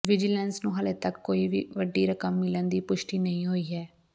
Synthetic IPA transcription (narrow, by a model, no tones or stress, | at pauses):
ʋɪd͡ʒɪlɛnsnũːɦəleːt̪əkːoːiːʋḭːʋəɖːiːɾəkəmːɪlənd̪iːpʊʃʈiːnəĩːɦoːiːɦɛː